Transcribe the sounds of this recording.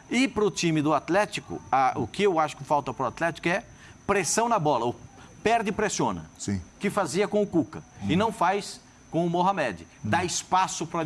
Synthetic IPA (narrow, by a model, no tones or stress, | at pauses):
ɪpɾʊt͡ʃ̪ĩmɪd̪ʊat̪lɛt͡ʃikʊ̰ɐʔʊkɪewaʃʊ̥kɪfawt̪ɐpɾʊat̪lɛt͡ʃi̥kʊɛ | pɾesɐ̃w̃nɐbɔlɐʊpɛɾd̪ɪpɾesõnɐ̰sĩkɪfaziɐkõʊkukɐɪnɐ̃w̃fajs | kõʊmoɦamɛd͡ʒɪ | d̪aɪspasʊpɾɐ